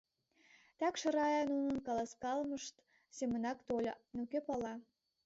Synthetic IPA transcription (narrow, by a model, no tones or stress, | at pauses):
t̪ɑkʃɤ̆ɾɑjɑnunə̆nkɑlɑskɑlməʃt̪ | semə̆nɑkt̪olʲnukepɑlɑ